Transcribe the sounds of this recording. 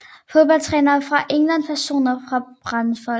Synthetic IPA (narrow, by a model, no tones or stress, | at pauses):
fo̝ðˠb̥ɒ̽l̰t͡sʰʁɛːnɐfʁɑ̈ʔeŋlæn̰pʰæɐɕo̝̰ːnɐfʁɑ̈b̥ʁɑnfɒ̽l